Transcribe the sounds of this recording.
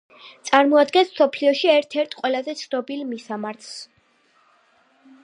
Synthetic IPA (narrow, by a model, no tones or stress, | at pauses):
t̪sʼaɾmɔad̪ɡɛnsmsɔpʰliɔʃiɛɾt̪ʰɛɾt̪ʰʼqʼwɛlazɛt̪sʰnɔbilˠmisamaɾt̪ʰs